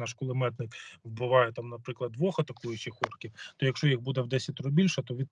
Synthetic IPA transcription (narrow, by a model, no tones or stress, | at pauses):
nɑʃkʊlˠɪmɛt̪nɪkwbɪʋɑjɛt̪amnɐpɾɪklˠɐd̪ːʋɔxɐt̪ɐkujʊt͡ʃɪxɔrkʲiwt̪ɔjɐkʃt͡ʃɔjixbud̪ɛwd̪ɛsʲɐt̪ʲɔɾɔbʲilʲʃɛt̪ɔʋʲi